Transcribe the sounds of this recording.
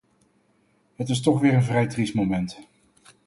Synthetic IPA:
ɦətɪs̬tɔχʋɪːɹənvrɛjtrismowmɛnt

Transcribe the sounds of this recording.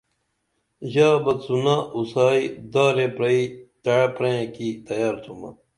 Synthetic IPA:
ʑaːbɐt̪sunausaːid̪aːɾepɾɐit̪ɐɽpɾẽẽkit̪ɐjaːɾt̪ʰumɐ̰

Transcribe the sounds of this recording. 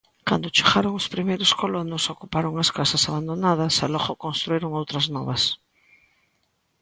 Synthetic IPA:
kand̪ot͡ʃeɣaɾoŋʊspɾimejɾʊskolonʊsokupaɾoŋaskasasaβand̪onað̞ɐsalɔɣokõnst̪ɾuiɾoŋowt̪ɾɐznɔ̰βɐs

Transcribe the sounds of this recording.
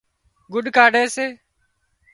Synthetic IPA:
ɡʊɖkaːɖeːseː

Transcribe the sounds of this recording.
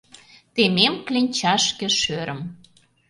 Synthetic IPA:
t̪ememklenʲt͡ɕɑʃkĕʃøɾʔə̆m

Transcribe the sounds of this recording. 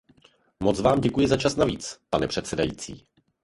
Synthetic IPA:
mot͡svaːmɟɛkujɪzat͡ʃasnavḭːt͡spanɛpr̝̥ɛt̪sɛdajḭːt͡sḭː

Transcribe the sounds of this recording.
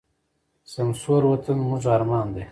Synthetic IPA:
sɐmsoːɾwɐt̪ʰənmuʐaɾmɑːnd̪e

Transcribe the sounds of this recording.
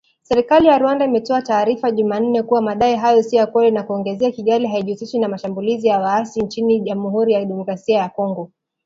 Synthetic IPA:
sɛɾikalijaɾwandaimɛtɔataːɾifaʄuman̩nɛkuwamaːɗaɛɦajɔsiɔjakwɛlinakuɔŋɡɛzɛakiɠaliɦaiʄusiʃwinamaʃambulizijawaasint͡ʃiniʄamuɦuɾijaɗɛmɔkɾasiajakɔŋɡɔ

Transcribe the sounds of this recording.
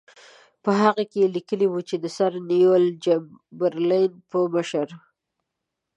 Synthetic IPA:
pəɦaɣakeelikəliwut͡ʃed̪əsaɾnijold͡ʒambaɾlinpəməʃəɾ

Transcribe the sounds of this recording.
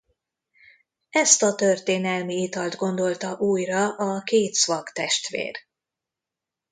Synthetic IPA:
ɛst̪ɒt̪ø̞rt̪eːnɛlmiit̪ɒld̪ɡo̞nd̪o̞lt̪ɒʔuːjrɒʔɒkeːt̪svɒkt̪ɛʃt̪ʋḛːr

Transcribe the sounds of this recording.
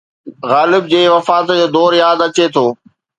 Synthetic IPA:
ɣaːlɪbd͡ʑeːʋɐfaːt̪d͡ʑoːd̪ɔːɾjaːd̪ɐt͡ɕet̪ʰoː

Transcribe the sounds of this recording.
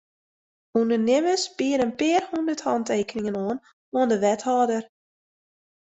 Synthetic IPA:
undərnɪməsbɪəɾənpɪːərhundərthɑnteːkənɪŋənoən | oəndəʋɛthɑːdər

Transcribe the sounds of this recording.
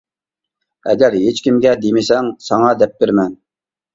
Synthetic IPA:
ɛ̰ɡʲɛɾɦet͡ʃkʲimɡʲɛd̪emɪsɛŋsɑŋɑd̪ɛp̚beɾmɛn

